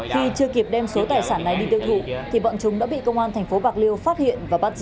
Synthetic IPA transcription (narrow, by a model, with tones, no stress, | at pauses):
xi˧t͡ɕɨ˧əki˨˩əp̚ɗɛ˧mso˨˦t̪aː˨˩jsaː˧˩nːa˨˩jɗi˧t̪i˧əwt̪ʰṵ˧˨t̪ʰi˨˩ɓɔ̰˧˨nt͡ɕʊ˨˦ŋ͡mɗa̰ː˧˥ɓḭ˧˨kə˧wŋ͡mʔaː˧nt̪ʰɛ˨˩ŋ̟fo˨˦ɓaː˨˩k̚li˧əwfaː˦˥t̚hḭ˧˨ənvaː˨˩ɓa˦˥t̚z